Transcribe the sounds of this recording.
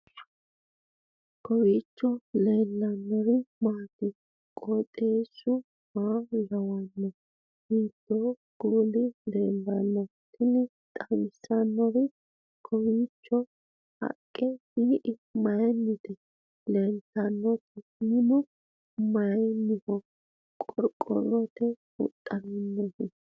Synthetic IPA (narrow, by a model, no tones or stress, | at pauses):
kɔwiːt͡ʃːɔleːlːɐnːɔɾɪmaːt̪ɪ | kʼɔt̪ʼeːsːʊ | maːjɐwɐnːɔ | hiːd̪̥ːo | ɡ̥uːlɪleːnbɐnːɔt̪ʰːɪnɪ | t̪ʼɐmɪsɐnːɔɾɪ | kʰɔwit͡ʃːɔ | hɐ̰kʼːɛhiʔɪmɐjnːɪt̪ɛ | lɛnt̪ːɐnːɔt̪ɪnɪnɔ | mɐjnːɪhɔ | kʼɔɾkʼːɔ̰lɔt̪ɛ | ʊ̰t̪ʼːɐnɔnːɔhɪ